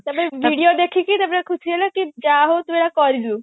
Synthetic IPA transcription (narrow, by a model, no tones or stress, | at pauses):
t̪apɔɾebʱiɽiod̪ekʰikit̪apɔɾekʰusiɡelokid͡ʒaɦot̪umeɽakɔɾilu